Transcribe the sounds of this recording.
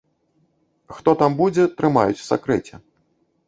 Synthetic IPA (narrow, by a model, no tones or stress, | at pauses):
xt̪ɔt̪ambud͡zʲɛt̪ɾɨma̰jut͡sʲsa̰kɾɛt͡sʲɛ